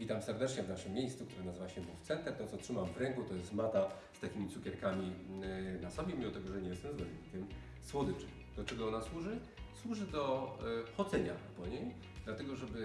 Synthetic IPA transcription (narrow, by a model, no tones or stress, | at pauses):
vʲit̪amsɛɾd̪ɛt͡ʂɲɛvnaʂɘmʲːjejst̪sukt̪uɾɛnazɘvaɕɛbufsɛnt̪ɛɾt̪ɔ̃t̪ɔtʂɘmamvɾɛŋkut̪ɔjɛst̪mat̪a | st̪akʲimʲit̪ukʲɛɾkamʲi | nasɔbʲjɛmʲimɔt̪ɛɡɔʐɛɲɛjɛst̪ɛmzbɔlɲikʲɛm | swɔd̪ɘft͡ʂɘm | d̪ɔt͡ʂɛɡɔɔnaswuʐɘ | swuʐɘd̪ɔxɔd̪zɛɲa̰pɔɲej | d̪lat̪ɛɡɔʐɛbɘ